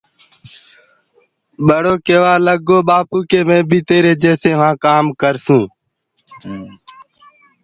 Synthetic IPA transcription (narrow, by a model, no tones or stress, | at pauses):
ɓəɽoːkeːʋaːləɡoːɓaːpuːkeːmẽːbʱiːt̪eːɾeːd͡ʒeːseːʋãːkaːmkəɾsũː